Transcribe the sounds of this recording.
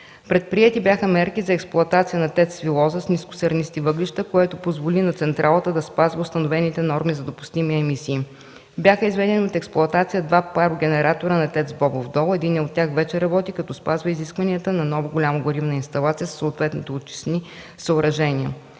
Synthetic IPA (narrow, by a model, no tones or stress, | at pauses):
pɾɛt̪̚pɾiɛt̪ibʲjaxəmɛɾkizɐɛksplˠʊɐt̪at̪sijənɐt̪ɛt̪svilˠɔzəsniskʊ̥sɛɾnist̪ivɤɡlʲiʃt̪əkoɛt̪opozvolinɐt̪sɛnt̪ɾʔalˠət̪əd̪ɐspazvəʊst̪ɐnovɛnit̪ɛnɔɾmizɐd̪opʊ̥st̪imiɛmisiː | bʲjaxəizvɛd̪ɛniot̪ɛksplˠʊɐt̪at̪sijəd̪vapaɾʊɡʲɛnɛɾat̪oɾənɐt̪ɛt̪zbɔbovd̪ɔlˠɛd̪inɛot̪ʲːaxvɛt͡ʃɛɾɐbɔt̪ikɐt̪ɔspazvəiziskvɐniət̪ənɐnɔvoɡolʲaməɡoɾivnəinst̪ɐlˠat̪sijəssəot̪vɛt̪nit̪ɛot̪t͡ʃi̥sni | səʊɾɐʒɛniə